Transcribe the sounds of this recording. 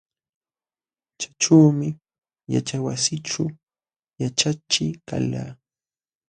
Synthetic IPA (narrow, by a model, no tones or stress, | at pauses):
t͡ʃḁʈ͡ʂaːmɪ | ja̰t͡ʃawasɪʈ͡ʂu | jat͡ʃat͡ʃɪka̰la̰ː